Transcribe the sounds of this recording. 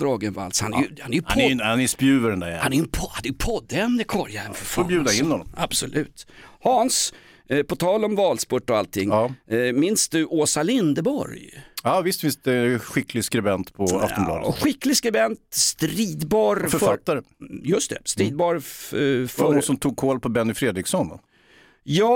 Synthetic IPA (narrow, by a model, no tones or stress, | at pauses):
d̪ɾɑːɡənva̰lshanæ̰jhanæjɵnhanɛspjʉ̟ːvəɾɛnd̪æ̰jhanæjəpʰɔhand̪ɛjpʰɔd̪ːɛmːəkʰɔɾja̰ɾfɔbjʉ̟ːd̪aɪnːhɔnːɔ̰mab̥sɔlʔʉ̟̰ːt̪hɑːns | pʰɔt̪ʰɑːlɔmvɑːlspɔʈːɔalt̪ʰːɪŋːɑːmɪnsd̪ɵʔoːsalɪnd̪əbɔ̰ɾjɑːvɪst̪fɪnst̪ɛɧɪkʰlɪskɾɛbɛnt̪pʰɔa̰ftɔmblɑ̰ːd̪əɧɪkːlɪɡskɾɛbɛnt̪st̪ɾiːd̪bɑːɾfœɾfat̪ːaɾə | jɵst̪ʰɛ̰st̪ɾiːd̪̚bɑːɾ | fɔnsɔmt̪ʰuːɡ̚kʰoːlpʰɔbɛnːɪfɾeːd̪ɾɪɡsɔnd̪ɔ̰ | jɑː